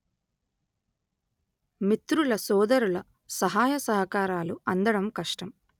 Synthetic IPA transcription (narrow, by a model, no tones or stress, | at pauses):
mit̪ɾulɐsɔːd̪ɐɾulɐ | sɐɦaːjɐsɐɦɐkaːɾaːluɐnd̪ɐɽɐmkɐʂʈɐm